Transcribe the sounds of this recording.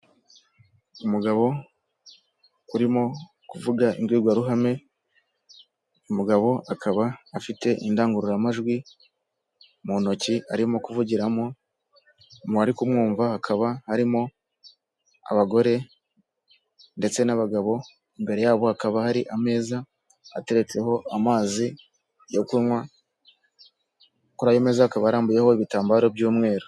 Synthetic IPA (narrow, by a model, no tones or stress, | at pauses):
umuɡaβo̞ | uɾimo̞ | kuvuɡaʔḭŋɡwiːɡwaɾuɦame̞ | umuɡaβo̞ʔakʰaβaːfite̞ʔindaːŋɡuɾuɾamaʒɡwi | mono̞cia̰ɾimo̞kuvuɟiɾamo̞ | moaɾikumŋuːɱvahakʰaβahaɾimo̞ | a̰βaɡo̞ɾe̞ | nde̞t͡se̞naβaɡaβo̞ | imbe̞ɾe̞jaːβo̞hakaβahaɾiʔame̞ːzaː | te̞ɾe̞t͡se̞ho̞amaːzi | jo̞kuɾwa | kuɾajome̞ːzahakaβaːɾaːmbuje̞ho̞iβitaːmbaːɾo̞bjuːmŋe̞ːɾo